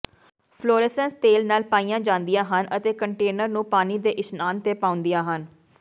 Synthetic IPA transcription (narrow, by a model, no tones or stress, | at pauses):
pʰloːɾɛsənst̪eːlnaːlpaːijãːd͡ʒãːnd̪ɪjãːɦənʔət̪eːkəɳʈeːnəɾnũːpaːniːd̪eːʔɪsnaːnt̪eːpãːʊ̃nd̪ɪjãːɦən